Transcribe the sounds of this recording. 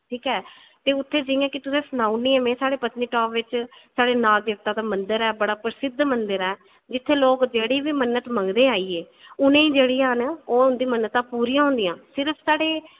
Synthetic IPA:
ʈʰiːkɦɛː | t̪eːʊt̪ʰːeːd͡ʒɪjãːkɪt̪ʊsẽːsənaːuniːɛ̃ːmɛ̃ːsaːɽeːpət̪niːʈɔːpʋɪt͡ʃsaːɽeːnaːld̪ɪk̚t̪ãːd̪aːmənd̪əɾɛːbəɽaːpəɾsɪd̪ʱmənd̪əɾɛː | d͡ʒɪt̪ʰːeːloːkd͡ʒeːɽiːbiːmənːət̪məŋɡd̪eːaːiːeː | ʊnẽːiːd͡ʒeːɽiːɦənoːʊnd̪iːmənət̪ãːpuːɾiːãːɦʊ̃nd̪ijãːsɪɾəpʰsaːɽeː

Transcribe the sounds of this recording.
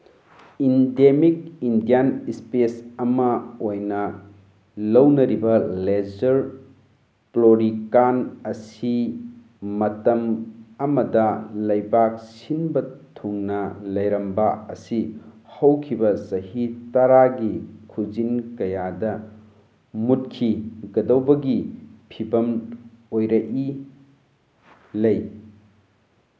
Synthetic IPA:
indemik̚indijanispesɐmɐojnɐ | lɐwnɐɾibɐlezɐɾ | ploɾikanɐsi | mɐtɐmɐmɐdɐlɐjbak̚sinbɐtʰuŋnɐlɐjɾɐmbaɐsihɐwkʰibɐsɐhitɐɾaɡikʰuzinkɐjadɐ | mut̚kʰiɡɐdɐwbɐɡipʰibɐmojɾɐʔi | lɐj

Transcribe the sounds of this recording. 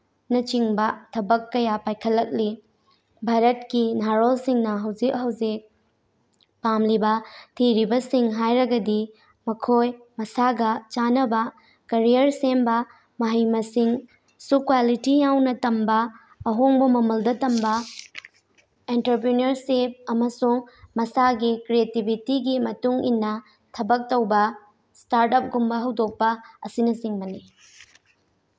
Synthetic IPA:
nɐt͡ʃiŋbɐtʰɐbɐkːɐjapajkʰɐlːɐk̚li | bʱaɾɐt̚kinaɾolsiŋnɐɦɐwzik̚ɦɐwzik̚ | pamlibɐtʰiɾibɐsiŋɦajɾɐɡɐdi | mɐkʰoj | mɐsaɡɐt͡ʃanɐbɐ | kɐɾijɐɾsembɐ | mɐɦɐjmɐsiŋ | sukwalitijawnɐtɐmbɐː | ɦoŋbɐmɐmɐldɐtɐmbɐ | entɐɾp̬ɾinɐɾsip̚ɐmɐsuŋmɐsaɡikɾietibʱitiɡimɐtuŋḭnːɐ | tʰɐbɐk̚tɐwbɐ | staɾtɐp̚ɡumbɐɦɐwdok̚pɐɐsinɐsiŋmɐni

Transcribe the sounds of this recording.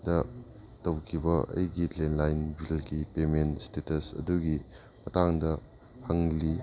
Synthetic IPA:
dɐ | tɐwkʰibɐɐ̰jɡilenlajnbilɡipementstetɐsɐ̰duɡi | mɐtaŋdɐ | hɐŋli

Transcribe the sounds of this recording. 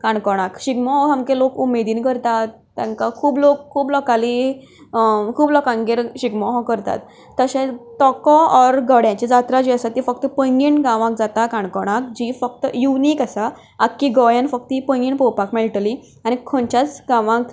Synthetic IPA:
kãɳkɔɽ̃akɕiɡmɔɦɔɦãmkelokumed̪iːnkəɾt̪at̪ːãŋkakʰuːblokʰːuːblɔkali | kʰuːblɔkãŋɡeɾɕiɡmɔɦɔkəɾt̪a̰t̪ː | əɕẽt̪ɔkɔɔɾɡəɽjãt͡ɕed͡zat̪ɾad͡ʑiəsat̪ːifək̚t̪əpəŋɡiɳɡãʋãk̚d͡zat̪akãɳkɔɽ̃ak̚d͡ʑifək̚t̪əjuniːkasa | akːiɡɔjanfək̚t̪ipə̃ŋɡiɳpowpakmeɭʈəli | añikʰõnt͡ɕat͡sɡãʋãk

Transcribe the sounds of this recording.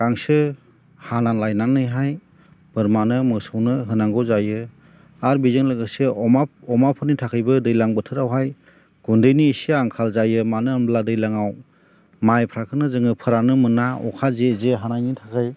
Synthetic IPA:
ɡ̥aŋsɯ | hanaŋlajnaŋnɯjɦaj | b̥ɯɾmanɯmɯsawnɯɦɯnaŋɡɔzajɯ | aɾbizɯŋlɯɡɯseɔmaɔmapʰɯnitʰakʰɯjbɯdɯjlaŋbɯtʰɯɾawɦaj | ɡ̥undɯjniːsiaŋkʰalzajɯmanɯanbladɯjlaŋaw | majpʰɾakʰɯnɯzɯŋɯpʰɯɾanɯmɯnaɔ̰kʰazezɯɦanajnitʰakʰɯj

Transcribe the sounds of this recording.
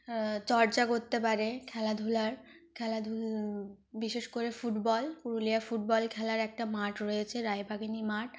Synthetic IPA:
t͡ɕɔɾd͡ʑakoɾt̪ːepaɾekʰɛlad̪ʱulaɾ | kʰɛlad̪ʱu | biʃeʃkoɾefuʈbɔlkuɾulijafuʈ̚bɔlkʰɛlaɾɛk̚ʈamaʈɾojet͡ɕʰeɾajbʱaɡinimaʈ

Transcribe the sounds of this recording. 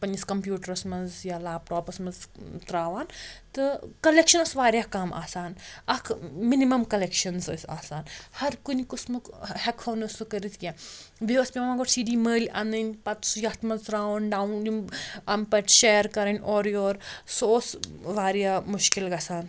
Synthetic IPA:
pɐnʲiskɐmpjuːʈɐɾɐsmɐnzjalaːb̚ʈoːpɐsmɐnzt̪ɾaːʋaːnt̪ɨkɐlekʃɐnɐsʋaːɾjaːkaːmʔa̰ːsaːnɐkʰminimɐmkɐlekʃɐnsɨsʲa̰ːsaːnhɐɾkunikusmɨkhɛkʰoːnɐsukɐɾit̪ʰkʲãːbiʋɐspʲimɐmaːɡoʈsiːɖiːməːlʲɐ̰nənʲpɐt̪sjɐt̪ʰmɐnzt̪ɾaːʋɐnɖaːwnd͡ʒumɐmpɐʈʰʃeːɾkɐɾɐnʲoːɾjoːɾsoːsʋaːɾjaːmʊʃkilɡɐsaːn

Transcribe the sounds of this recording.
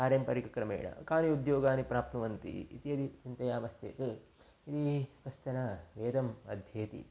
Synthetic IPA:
kaːɾjɐmpɐɾikɐkɾɐmḛːɳɐ̰kaːniud̪joːɡaːnipɾaːp̚t̪nɐʋɐnt̪ḭḭt̪iɐd̪it͡ʃint̪ɐjaːmɐst̪ʰḛːt̪e | it̪ikɐst͡ʃɐnɐʋeːd̪ɐmɐ̰d̪ʱjeːt̪ḭ

